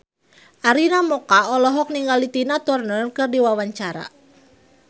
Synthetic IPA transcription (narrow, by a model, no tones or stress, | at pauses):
ʔaɾinamɔkaɔlɔɦɔk̚niŋɡalit̪inat̪ɔrnərkɨrdiwawaɲt͡ʃaɾa̰